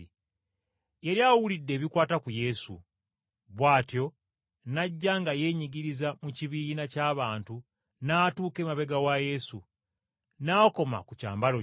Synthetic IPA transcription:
eɾjawulidːe̞ːβikwaːtakuje̞sṵ | βwaːtjo̞ | naɟːaŋɡaje̞ɲiɡiɾizamuciβiːnacaːβaːntu | naːtuːke̞ːmaβe̞ɡawaje̞sṵ | naːko̞ma̰kuca̰ːmbalo

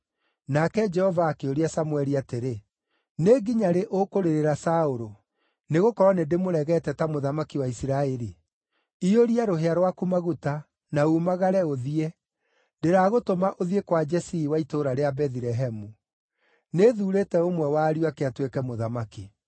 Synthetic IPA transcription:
nakɛd͡ʒɛhɔvaːkeoɾiasamwɛɾiateɾe | neɡiɲaɾeʔokoɾeɾeɾasaoɾo | neɣokɔɾɔnedemoɾɛɣɛtɛtamoðamakiwaisiɾaɛɾi | ioɾiaɾoɦeaɾwakumaɣuta | naumaɣaɾɛoðiɛ | deɾaːɣotomaʔoðiekwad͡ʒɛsiːwaitoɾaɾeabɛðiɾɛɦɛmu | neðuːɾeːtɛomwɛwaːɾiwakeatwekɛmoðamaki

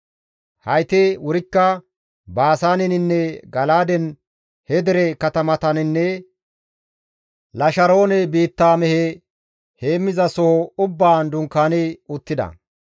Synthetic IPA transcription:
hɐjt̪ɛwʊɾɪkːɐ | baːsaːnɪnɪnːɛɡɐlaːd̪ɛn | hɛd̪ɛɾɛkɐt̪ɐmɐt̪ɐnɪnːɛ | lɐʃɐɾo̞ːnɛbiːt̪ːaːmɛhɛ | heːmːɪzɐsɔhɔʊbːaːnd̪ʊŋkːaːnɪʊt̪ːɪd̪ɐ̰

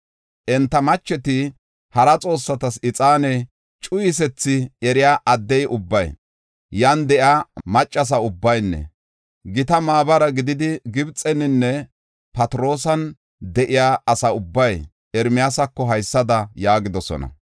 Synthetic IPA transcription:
ʔɛnt̪ːɐmɐt͡ʃːɛt̪ɪ | hɐɾɐt͡sʼo̞ːsːɐt̪ɐsɪt͡sʼaːnɛ | t͡ʃʼʊjɪs̬ɛt͡sːɪɛɾɪjaːʔɐd̪ːɛjʔʊbːɐj | jɐnd̪ɛʔjaːmɐt͡ʃʼːɐs̬ɐʊbːɐjnːɛ̰ | ɡɪt̪ɐmaːbɐɾɐɡɪd̪ɪd̪ɪɡɪbt͡sʼɛnːɪnːɛ | pɐt̪ɾo̞ːsɐn | d̪ɛʔɪjaːɐsɐʊbːɐj | ɛɾmɪjasɐkːɔɦɐjsːɐd̪ɐjaːɡɪd̪ɔsɔ̰nɐ̰

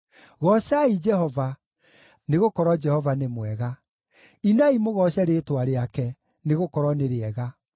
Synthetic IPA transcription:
ɣɔɕaid͡ʒɛhɔva | neɣokɔɾɔd͡ʒɛhɔvanemwɛɣa | inaimoɣɔɕɛɾetwaɾeakɛ | neɣokɔɾɔneɾeɛɣa

